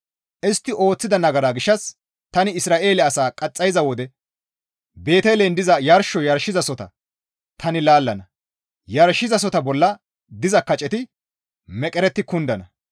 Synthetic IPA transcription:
ʔɪst̪ːɪʔo̞ːt͡sːɪd̪ɐnɐɡɐɾaːɡɪʃːɐs | t̪ɐnɪɪsɾaːʔe̞ːlɛɐsaːkʼɐt͡sʼːɐjzɐwɔd̪ɛ | be̞ːt̪ejlend̪ɪzɐjɐɾʃɔjɐɾʃːɪzɐsɔt̪ɐ̰ | t̪ʰɐnɪlaːlːɐnɐ | jɐɾʃːɪzɐs̬ɔt̪ɐbɔlːɐ | d̪ɪzɐkːɐt͡ʃʼɛt̪ɪ | mɛkʼɛɾɛt̪ːɪkʊnd̪ɐnɐ

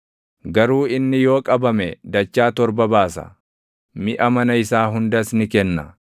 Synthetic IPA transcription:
ɡɐɾuːɪnːɪjoːkʼɐbɐmɛd̪ɐt͡ʃːaːt̪ɔɾbɐbaːsɐ̰ | mɪʔɐmɐnɐɪsaːɦʊnd̪ɐsnɪkɛnːɐ

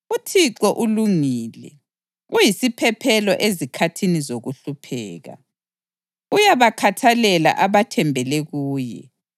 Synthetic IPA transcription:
utʰiǁɔʔuluŋiːlɛ | ujisipʰɛpʰɛlɔʔezikʰatʰinizoɣuɬupʰɛːɣa̰ | ujaβakʰatʰalɛla̰ʔaβatʰɛmbʱɛlɛɣuːjɛ̰

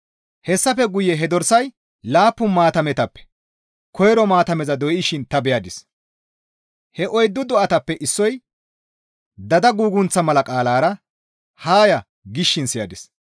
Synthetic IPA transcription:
hɛsːɐfɛɡʊjːɛɦɛd̪ɔɾsɐj | laːpːʊnmaːt̪ɐmɛt̪ɐpːɛ̥ | kʰɔjɾɔmaːt̪ɐmɛzɐd̪ɔjɪʃɪnt̪ɐbɛjɐd̪ɪs | hɛʔɔjd̪ːʊd̪ɔʔɐt̪ɐpːɛʔɪsːɔj | d̪ɐd̪ɐɡuːɡʊnt͡sːɐmɐlɐkʼaːlaːɾɐ | haːjɐ | ɡɪʃːɪnsɪjɐd̪ɪs

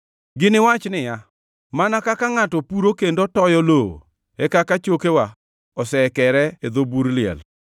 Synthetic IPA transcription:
ɡɪnɪwat͡ʃnɪja | manakakaŋatɔpuɾokendotɔjɔlo̰ | ɛkakat͡ʃokewa | ɔsɛkɛɾɛed̪obuɾlɪɛ̰l

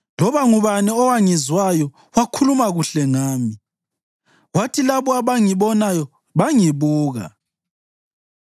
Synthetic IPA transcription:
lɔβaŋuβanɛɔwaŋizwajɔ | wakʰulumaɣuɬɛŋaːmi | watʰilaβɔaβaŋiβɔnajɔ | βaŋiβuːɣa̰

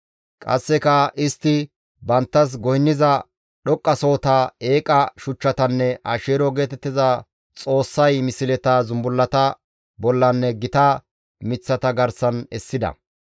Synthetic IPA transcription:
kʼɐ̰sːɛkɐʔɪst̪ːɪ | bɐnt̪ːɐs̬ɡɔjɪnːɪzɐ | ɗɔkʼːɐso̞ːt̪ae̞ːkʼɐʃʊt͡ʃːɐt̪ɐnːɛʔɐ̰ʃeːɾɔɡe̞ːt̪ɛt̪ːɪzɐ | t͡sʼo̞ːsːɐjmɪsɪlɛt̪ɐzʊmbʊlːɐt̪ɐ | bɔlːɐnːɛɡɪt̪ɐ | mɪt͡sːɐt̪ɐɡɐɾsɐnɛsːɪd̪ɐ̰

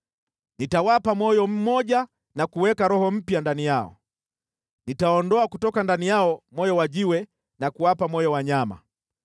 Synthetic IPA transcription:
nitawapamwɔjɔm̩mɔɟa | nakuwɛkaɾɔhɔm̩pjandanijaɔ̰ | nitaɔndɔakutɔkandanijaɔmɔjɔwaʄiwɛ | nakuwapamwɔjɔwaɲama̰

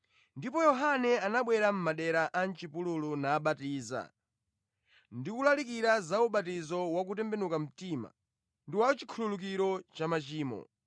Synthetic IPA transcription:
ndipɔjɔɦanɛanaɓwɛɾam̩maɗɛɾaʔan̩t͡ʃipululunaːɓatiːza̰ | ndikulalik̬iɾazauɓatizɔwak̬utɛmbɛnukam̩tima̰ | ndiwat͡ʃi̥kʰululuk̬iɾɔt͡ʃamat͡ʃiːmɔ̰

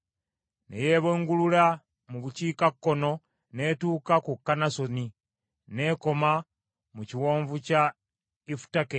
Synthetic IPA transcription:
nʔḛjeːβeːŋɡulula | muβuciːkakːo̞no̞ | ne̞ːtuːkakukːanasoni | ne̞ːko̞ma | muciwoːɱvuca | ifu̥take

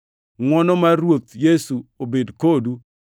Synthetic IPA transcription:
ŋwɔnɔmarwot̪jesuobedkodu

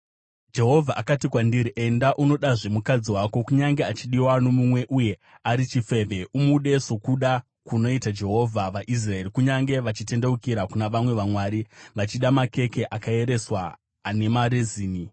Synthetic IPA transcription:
d͡ʒe̞ɦo̞vʱaʔakatikwandiɾiʔe̞ndaʔuno̞ɗaʐe̞mukad͡ziwako̞kuɲaŋɡe̞at͡ʃiɗiwano̞mumwe̞ʔuje̞ | aɾit͡ʃife̞ʋe̞ʔumuɗe̞so̞kuɗa | kuno̞itad͡ʒe̞ɦo̞vʱaʋaʔis̬rae̞ɾikuɲaŋɡe̞ʋat͡ʃite̞ndeukiɾakunaʋamwe̞ʋamwaːɾiʋat͡ʃiɗamake̞ke̞ʔakae̞ɾe̞swaː | ne̞maɾeziːni

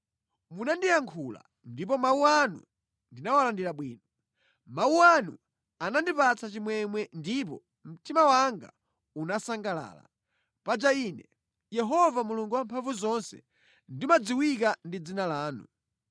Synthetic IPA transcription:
munandijaŋkʰula̰ | ndip̬ɔmauanṵ | ndinawalandiɾaɓwiːnɔ | mauanṵ | anandipat͡sʰat͡ʃimwɛmwɛndip̬ɔ̰ | m̩tʰimawaŋɡa̰ | unasaŋɡala̰ːla̰ | pad͡ʒaiːnɛ | jɛɦɔvamuluŋɡuwampʰaɱvuzɔnsɛ̥̰ | ndimad͡ziwikandid͡zinalaːnu

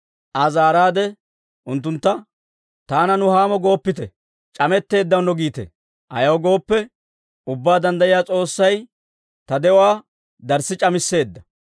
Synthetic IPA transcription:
ʔɐzaːɾaːd̪ɛ | ʔʊnt̪ːʊnt̪ːɐ | t̪aːnɐnʊhaːmɔɡo̞ːpːɪt̪ɛ | t͡ʃʼɐmɛt̪ːe̞ːd̪ːɐwnɔɡiːt̪ɛ̰ | ʔɐ̰jɐwɡo̞ːpːɛ | ʊbːaːd̪ɐnd̪ɐjɪjaːt͡sʼo̞ːsːɐj | t̪ɐd̪ɛwaː | d̪ɐɾsɪt͡ʃʼɐmɪsːe̞ːd̪ːɐ

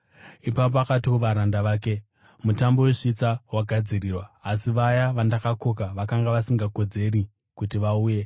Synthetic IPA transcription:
ipapoakatikuʋaɾandaʋaːke̞ | mutambo̞we̞ʂit͡sawaɡʱad͡ziriːrwaːsiʋajaʋandakako̞kaʋakaŋɡaʋasiŋɡako̞d͡ze̞ɾi | kutiʋauːje̞

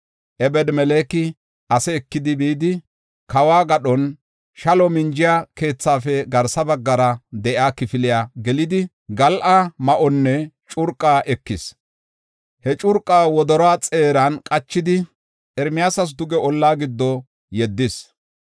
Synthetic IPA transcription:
ʔɛbɛd̪mɛleːkɪ | ɐsɛːkːɪd̪ɪbiːd̪ɪ | kɐwaːɡɐɗɔn | ʃɐlɔmɪnd͡ʒɪjake̞ːt͡sːaːfɛɡɐɾsɐbɐɡːɐɾɐd̪ɛʔaːkɪfɪlɪjaːɡɛlɪd̪ɪ | ɡɐlʔamɐʔɔnːɛt͡ʃʼʊɾkʼːaːʔɛkːɪs | hɛt͡ʃʼʊɾkʼːaːwɔd̪ɔɾɔwaːt͡sʼe̞ːɾɐnkʼɐt͡ʃːɪd̪ɪ | ʔɛɾmɪjaːsɐs̬d̪ʊɡɛɔlːaːɡɪd̪ːɔ | jɛd̪ːɪs

